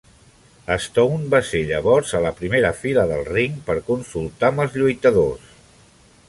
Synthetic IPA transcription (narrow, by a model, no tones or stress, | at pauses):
əst̪ɔwnbaseʎəβ̞ɔɾzələpɾimeɾəfiləðəlˠriŋpəɾkunsulˠt̪aməlˠzʎujt̪əðos